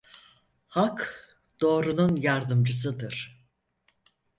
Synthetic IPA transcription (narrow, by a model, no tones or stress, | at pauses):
hak | d̪̥o̞ːɾununjaɾd̪ɯmd͡ʒɯs̬ɯd̪ɯɾ̥